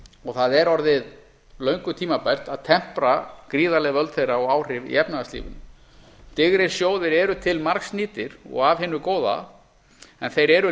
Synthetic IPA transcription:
ɔɣθaðɛɾɔɾðɪð | lœɥŋkʏt̪ʰiːmapɛr̥t̪aðt̪ʰɛm̥pɾakɾiːðalɛɣvœlt̪θejraɔɣaːwr̥ɪvḭɛpnaaslḭːvʏ̰n | t̪ɪɣɾɪɾ̥sjoːwðɪɾɛɾʏt̪ʰɪlmaɾksniːt̪ɪɾɔ̰ɣavɦɪnʏkoːwða̰ | ɛnθejɾɛɾʏ

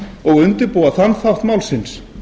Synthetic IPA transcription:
ɔɣʏnt̪ɪɾpuːwaθanːθawht̪mawlsɪns

